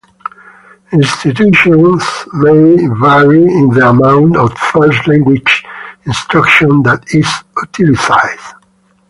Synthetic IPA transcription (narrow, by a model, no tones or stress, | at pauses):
ĩnst̪it̪̬uʃɔ̃nsmevɛɹiĩnðəamãw̃ntɔvfɜɹslæ̃ŋɡwid͡ʒĩnst̪ɹakʃɔ̃nd̪ætizut̪ʰilisajd̥